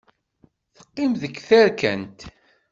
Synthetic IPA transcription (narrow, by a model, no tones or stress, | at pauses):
θə̥qːɪmðəkːθæɾkæ̰nt̪